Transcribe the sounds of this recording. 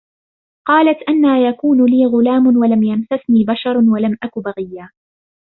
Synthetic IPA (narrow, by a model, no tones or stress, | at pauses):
qɑːlat̪ʔanːaːjakuːnʊliːɣʊlaːmʊnwalamjansasniːbaʃɑɾˤwalamʔakʊbaɣɪjːaː